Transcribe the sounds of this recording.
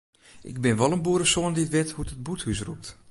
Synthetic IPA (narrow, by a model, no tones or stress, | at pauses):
ʔɪ̰ɡ̚bɪnʋɔlˠənbuəɾəsoəndiətʋɪthutət̚buthys̬rup̚t